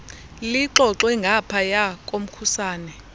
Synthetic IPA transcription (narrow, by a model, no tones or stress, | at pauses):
liǃɔǁwɛŋɡʱapʰajak̬ʼom̩kʰusaːnɛ